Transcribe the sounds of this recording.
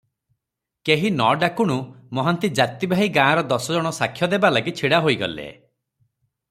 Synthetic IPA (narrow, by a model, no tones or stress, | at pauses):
keɦinɔɖakuɽ̃umɔɦɔnt̪id͡ʒat̪ibʱaɦiɡãːɾɔd̪ɔsɔd͡ʒɔɽ̃ɔsakʰːjɔd̪ebalaɡit͡ʃʰiɽaɦoiɡɔ̰lḛ